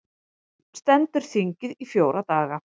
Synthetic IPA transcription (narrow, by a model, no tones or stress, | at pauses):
st̪ɛnt̪ʏɾ̥θiɲcɪðifjoːwɾat̪aːɣa